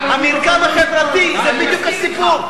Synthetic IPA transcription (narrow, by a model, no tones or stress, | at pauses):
hamiʁkavaχevʁat̪izɛbid̪jukhasipuʁ